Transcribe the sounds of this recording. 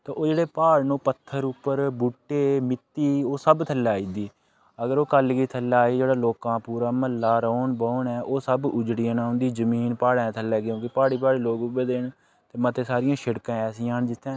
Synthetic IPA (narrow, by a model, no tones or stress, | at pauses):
t̪eːʔoːd͡ʒeːɽeːpaːɽnũːpət̪ʰːəɾʊpːəɾbuːʈːeːmɪt̪ːiːoːsəbt̪ʰəlːaːiːd̪iː | əɡəɾoːkəlɡiːt̪ʰəlːaːiːd͡ʒeːɽaːloːkãːpuːɾaːməlːaːɾəːɳbəːɳɛːʔoːsəbʊd͡ʒɽiːãːnãːʊ̃nd̪iːzəmiːnpaːɽɛ̃ːt̪ʰəlːɛːɡõːkɪpaːɽiːpaːɽeːloːɡʊbeːd̪eːɳ | t̪eːmət̪eːsaːɾɪjãːʃɪɽkãːɛːsiːãːnd͡ʒɪt̪ʰːẽː